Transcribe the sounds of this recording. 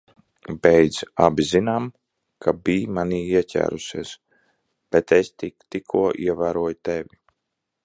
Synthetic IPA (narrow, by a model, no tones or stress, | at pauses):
bɛjd̪zabʲizinam | kʰabiːmaniːiɛcʲæ̰ːɾusiɛs | b̥ɛt̪est̪ikt̪ikʰuɔʔiɛvæːɾuɔjt̪ɛvʲi